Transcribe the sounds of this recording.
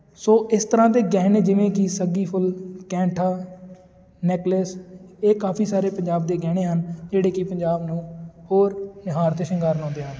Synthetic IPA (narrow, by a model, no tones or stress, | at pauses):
soːʔɪst̪əɾãːt̪eːɡɛːneːd͡ʒɪʋẽːkɪsəɡiːpʰʊlkɛ̃ːɳʈʰaː | neːkləseːkaːpʰiːsaːɾeːpəɲd͡ʒaːb̚d̪eːɡɛːɽ̃eːɦənd͡ʒeːɽeːkɪpəɲd͡ʒaːbnũːhoːɾnɪɦaːɾt̪eːʃəŋɡaːɾnɔ̃ːnd̪eːɦən